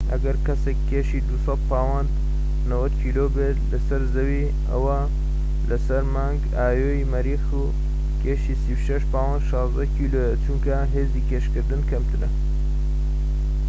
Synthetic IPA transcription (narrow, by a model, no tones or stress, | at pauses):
ʔɐɡɐɾkɐsekʰːeːʃid̪usɐd̪̚paːwɑnd̪ | nɐwɐd̪kʰiːloːbe | lɐsɐɾzɐwi | ɐ̰wɐ | lɐsɐɾmaːŋɡ | aːjoimɐɾiːxu | kʰeːʃiːsiwʃɐʃpaːwɑnd̪ʃɑːzd̪ɐkʰiːlojɛt͡ʃumkɐɦeːziːkeːʃkɨɾd̪ɨnkʰɐmt̪ɨnɐ